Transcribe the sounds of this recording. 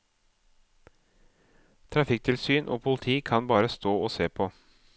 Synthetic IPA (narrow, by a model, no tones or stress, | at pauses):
t̪ʰɾɑfɪk̚t̪ʰɪlsyːnʔo̰ːpʰʊlɪt̪ʰiːkʰɑnbɑːɾəst̪oːoːseːpʰoː